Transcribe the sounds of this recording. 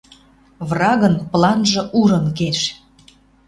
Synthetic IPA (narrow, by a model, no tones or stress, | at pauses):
βrɑɣənplˠɑnʒɤ̆ʔuɾə̆nkeʃ